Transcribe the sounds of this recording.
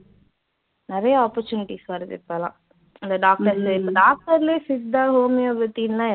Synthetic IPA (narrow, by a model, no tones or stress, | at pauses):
nɪɾɐjɐɔːpɐɾt͡ʃuːnɪʈisʋɐɾðɯ̰pːɐlã̰ː | ɪnd̪ɐɖaːk̚ʈɐɾlɪpːɐɖaːk̚ʈɐɾɪleːsɪsd̪aːɦoːmɪjoʋɛt̪ːiːnlãː